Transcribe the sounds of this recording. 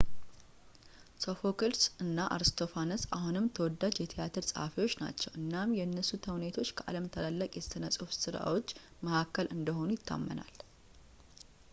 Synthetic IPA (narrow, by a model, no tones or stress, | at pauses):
sofokʰɨlsɨnːaʔa̰ɾɨst̪ʰo̞fanəsa̰hunɨmt̪ʰəwɔd̪ːad͡ʒjɛt̪ʰijat̪ʰɨɾsʼəhafiwot͡ʃːna̰t͡ʃːɛwʔɨnːamjɛnːəsut̪ʰəwnet̪ʰo̞t͡ʃːkʰəʔa̰ləmt̪ʰəlalːəkʼjɛsɨnəsʼufsɨɾa̰wot͡ʃː | məhakːəlʔɨnd̪əɦo̞nujɪt̪ʰːa̰mːə̰na̰l